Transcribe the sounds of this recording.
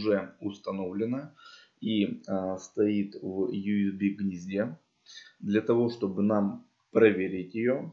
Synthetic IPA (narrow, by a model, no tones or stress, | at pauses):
ʐɛʊst̪ɐno̞vlʲɪnə | ist̪ɐit̪vjuɪzbʲiɡnʲɪzʲdʲe | d̪lʲɐt̪ɐvo̞ʂt̪o̞bɨnam | pɾɐvʲeɾʲɪtʲjɪjo̞